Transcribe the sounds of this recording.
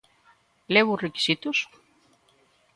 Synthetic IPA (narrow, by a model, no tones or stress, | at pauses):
leβureki̥sit̪us